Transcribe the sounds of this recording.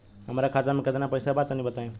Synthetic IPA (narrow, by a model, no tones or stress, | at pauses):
ɦəmɾakʰat̪amẽkət̪napəjsabat̪nibət̪aẽ